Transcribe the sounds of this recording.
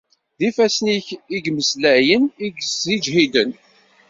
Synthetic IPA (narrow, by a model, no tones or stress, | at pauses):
ðifæsəniçiɡməslæʕjəniɡsid͡ʒɦid̪ən